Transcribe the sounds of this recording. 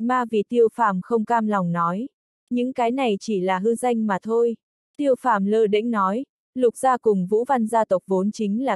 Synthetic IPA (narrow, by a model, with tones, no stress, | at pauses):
maː˧vi˨˩t̪i˧əwfaː˧˩mxə˧wŋ͡mkaː˧mla˨˩wŋ͡mnɔ˨˦j | ɲɨ̰˧˥ŋkaː˨˦jna˨˩jt͡ɕi˧˩laː˨˩ɦɨ˧za˧jŋ̟maː˨˩t̪ʰo˧j | t̪i˧əwfaː˧˩mləː˧ɗə̰˧˥ŋ̟nɔ˨˦j | lʊ˨˩k͡p̚z̥aː˧kʊ˨˩ŋ͡mvṵ˧˥va˧nzaː˧t̪ə˨˩wk͡p̚vo˨˦nt͡ɕï˨˦ŋ̟laː˨˩